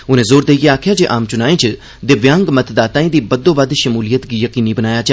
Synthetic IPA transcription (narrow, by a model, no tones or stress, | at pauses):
ʊnẽːzoːɾd̪eːiɡeaːkʰjaːd͡ʒeːʔaːmt͡ʃʊnaːẽːt͡ʃ | d̪ɪʋjãːŋɡmət̪d̪aːt̪ãːĩːd̪iːbəd̪õːbəd̪ʃəmuːlijət̪ɡijəkiːniːbənaːjaːd͡ʒa